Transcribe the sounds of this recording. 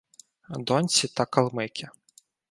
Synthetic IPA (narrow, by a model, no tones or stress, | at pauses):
d̪ɔnʲt͡sʲit̪ɐkɐlˠmɪkʲɪ